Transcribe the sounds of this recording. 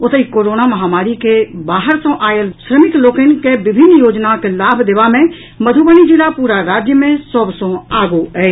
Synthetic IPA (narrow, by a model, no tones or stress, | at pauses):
ʊt̪əikoːɾoːnamɐɦaːmaːɾikebaːɦəɾsõʔaːjelʃɾəmɪkloːkenkeʋɪbʱɪnːjoːd͡ʒnakelaːbʱd̪eʋamẽ | məd̪ʱubənid͡ʒilapuːɾaɾaːd͡ʒjəmẽsəbsõaːɡuɛː